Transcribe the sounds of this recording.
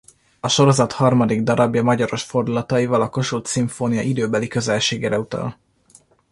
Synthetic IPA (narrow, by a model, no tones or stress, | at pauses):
ɒʃo̞ɾo̞zɒt̪hɒrmɒd̪iɡd̪ɒɾɒbjɒmɒɟɒɾo̞ʃfo̞rd̪ulɒt̪ɒivɒlɒko̞ʃult̪siɱfoːnijɒʔid̪øːbɛlikøzɛlʃeːɡeːɾɛut̪ɒ̰l